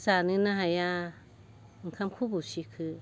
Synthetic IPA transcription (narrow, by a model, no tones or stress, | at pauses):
sanĩnãɦãjã | ŋkʰãmkʰubuʃikʰɨ